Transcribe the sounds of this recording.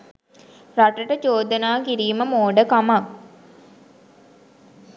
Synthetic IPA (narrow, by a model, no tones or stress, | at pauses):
raʈəʈət͡ʃoːd̪ənaːkiɾiːməmoːɖəkamak